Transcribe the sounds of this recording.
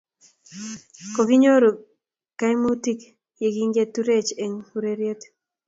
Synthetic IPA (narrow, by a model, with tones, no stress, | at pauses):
koki˦ɲo˦ɾo˨ | ka˦jmu˦t̪i˦k | je˨ɡiŋɡe˦t̪uɾet͡ʃe˨ŋuɾeɾjet̪